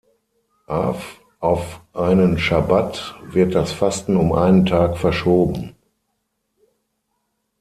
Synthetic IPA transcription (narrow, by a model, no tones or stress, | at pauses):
ʔaːf | ʔaʊfʔaɪnənʃabatvɪɐt̚d̥asfastn̩ʊmʔa̰ɪnəntʰaːkfɛɐʃoːbm̩